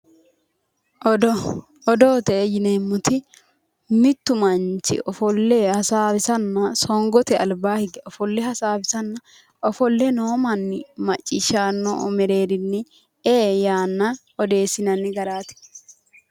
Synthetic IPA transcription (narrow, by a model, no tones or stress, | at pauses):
ɔd̪oːt̪ɛjɪnemːʊt̪ɪ | mɪt̪ːʊmɐnt͡ʃɪ̰ʔɔfɔlːɛhɐsaːbɪsɐnːɐsɔŋɡɔt̪ɛɐlbaːhɪɡɪʔɔfɔlːɛhɐsaːbɪsɐnːɐ | ʔɔfɔlːɛnoːmɐnːɪmɐt͡ʃʼːɪʃaːnːɔɔ̰mɛɾeːd̪ɪnːɛ | eːjaːnːɐ | ɔd̪e̞ːsɪnɐnːɪɡɐɾaːt̪ɪ̥